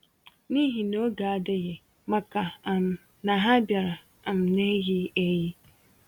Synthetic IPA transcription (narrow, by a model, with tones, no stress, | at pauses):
nĩ˦ɦĩ˨nõ˨˦ɡaː˨˦˨dɛ˦jɛ˨ | mã˦ka˨a˨m˨ | nã˨ɦã˦bja˨ɾa˨ | ã˨m˨nɛ̃˦ji˦ɛ˦ji˦